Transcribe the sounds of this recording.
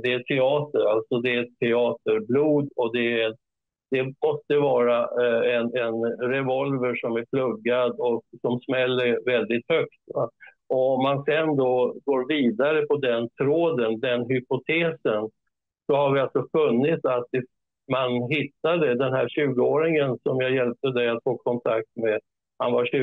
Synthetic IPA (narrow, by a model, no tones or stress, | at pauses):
d̪ɛæt̪ʰɛɑːt̪əɾalt̪sɔd̪ɛɛt̪ʰːɛɑːt̪əɾbluːd̪ɔd̪ɛæ | d̪̥ɛmɔst̪əvɑːɾaɛnɛnɾɛvɔlvəʂɔmæɾpʰlɵɡːad̪ɔksɔmsmɛlːəɾvɛld̪ɪt̪hœkt̪ | ɔɔmːansɛnd̪ɔɡoːɾviːd̪aɾəpʰɔd̪ɛnt̪ʰɾoːd̪ənd̪ɛnɦʏpʊt̪ʰeːsən | sɔhaɾvɪalsɔfɵnːɪt̪sat̪ | manɦɪt̪ːad̪əd̪ɛnɦæɾɕʉ̟ːɡəoːɾɪŋənsɔmjajɛlp̚t̪əd̪ɛjat̪foːkʰɔnt̪ʰak̚t̪me | ha̰nvaɕʉ